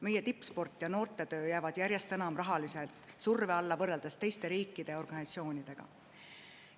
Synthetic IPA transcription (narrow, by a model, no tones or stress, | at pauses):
me̞jet̪ipːˑspo̞rt̪ːˑjɑno̞ːrt̪ːˑe̞t̪ø̞ːjæːvɑd̪̥jæɾje̞st̪e̞nɑmrɑɦɑliselt̪ˑsurveɑlːɑvɤrːeld̪̥est̪e̞jst̪e̞ɾiːkːˑid̪̥e̞o̞rɡ̥ɑnsɑt̪sio̞ːnʲid̪̥e̞ɡ̥ɑ̰